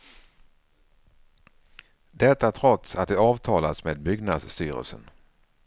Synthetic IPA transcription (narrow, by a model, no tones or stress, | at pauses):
d̪ɛt̪ːat̪ʰɾɔt̪sat̪̚d̪ɛɑːvt̪ʰɑːlasmeːd̪̚bʏɡnad̪st̪yːɾə̰lsə̰n